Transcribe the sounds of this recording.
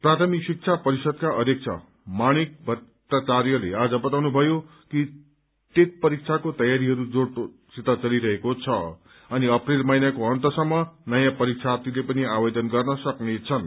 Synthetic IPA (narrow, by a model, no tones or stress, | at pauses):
prat̪ʰʌmiksik̚t͡sʰapʌɾisʌd̪̚kaʔʌd̪ek̚t͡sʰʌ̰ | maɽ̃ik̚bʱʌt̪ːat͡sarjʌlḛad͡zʌbʌt̪awnubʱʌjo | ki | t̪et̪̚pʌɾik̚t͡sʰakot̪ʌjaɾiɦʌɾud͡zoɽ | sit̪at͡sʌliɾʌɦekot͡sʰʌ | ʌniʌprilmʌjnakoʌnt̪ʌsʌmːʌnʌjãpʌɾik̚t͡sʰat̪ilepʌniabʌd̪ʌnɡʌrnʌsʌknet͡sʰʌn